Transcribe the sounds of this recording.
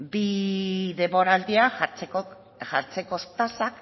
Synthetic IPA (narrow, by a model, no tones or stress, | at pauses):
biðe̞mbo̞ɾald̪iaɾeko | ʝaɾt͡se̞ko̞st̪asak